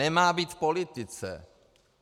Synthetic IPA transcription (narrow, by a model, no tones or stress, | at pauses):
ɛmaːbiːt̪polɪt̪ɪt͡sɛ̰